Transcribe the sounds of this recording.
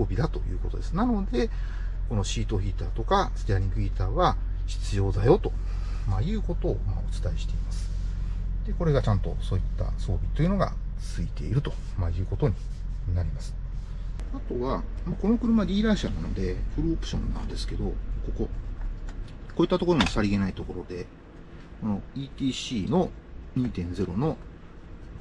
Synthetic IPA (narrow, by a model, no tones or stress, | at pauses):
soːbʲid̪at̪o̞jɯ̟̰ːko̞t̪o̞d̪e̞sɨnano̞d̪e̞ | ko̞no̞ɕiːt̪o̞ɸʲiːt̪aːt̪o̞kasɨ̥t̪eaɾʲĩŋɡɯ̟iːt̪aːβa | ɕi̥t͡sɨjo̞ːd̪ajo̞t̪o̞ | majɯ̟ːko̞t̪o̞ːmaot͡sɨ̥t̪aiɕi̥t̪e̞imasɨ̥ | d̪̥e̞ko̞ɾe̞ɡat͡ɕãnt̪o̞̰so̞ːit̪ːa̰so̞ːbʲit̪o̞jɯ̟no̞ɡa̰t͡sɨit̪e̞̰ḭɾɯ̟t̪o̞ | majɯ̟ːko̞t̪o̞ɲ̟i | naɾʲimasɨ̥ | at̪o̞βamako̞no̞kɯ̟ɾɯ̟mad̪ʲiːɾaɕanano̞d̪e̞ɸɯ̟ɾɯopɯ̟ɕõ̞̰nːã̰nd̪e̞sɨ̥ke̞d̪o̞ko̞ko̞ | ko̞ːit̪ːat̪o̞koomosaɾʲiɡe̞nait̪o̞ko̞ɾo̞d̪e̞ | ko̞no̞iːt̪ʲiːɕiːno̞ɲ̟iːt̪ẽ̞nd͡ze̞ɾo̞no̞